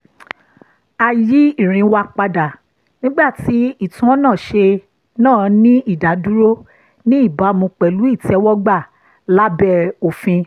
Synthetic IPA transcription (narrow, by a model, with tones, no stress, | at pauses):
a˨ji˨˦i˦˨ɾ̃ĩ˨˦wa˧k͡pa˧da˨ | nĩ˦ɡ͡ba˦˨ti˨˦i˦˨tũ˨˦ɔ˦nãː˦˨ʃe˧ | nãː˦˨nĩ˦i˦˨da˨du˦ɾo˦ | nĩ˦i˦˨ba˨˦mũ˧k͡pɛ˨lu˨˦i˦˨tɛ˧˦wɔ˦ɡ͡ba˦˨ | la˦bɛ˧˦o˨fĩ˧